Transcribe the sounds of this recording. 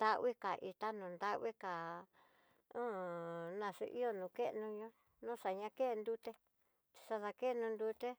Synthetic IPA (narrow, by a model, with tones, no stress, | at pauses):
d̪a˦ʔβi˦ka˨ʔi˧t̪a˦nũ˨nd̪a˦ʔβi˦ka˨ | õ˦nã˧ʂṵ˧ʔḭ˦o˧nũ˨˧˨ke˦ʔnũ˧ɲõ˦ | nũ˦ʂa˨ɲã˧ke˦˧nd̪u˦t̪e˧ | t͡ʃ̪i̥˧sa˧ða˧ke˦˧nũ˧nd̪u˧t̪e˦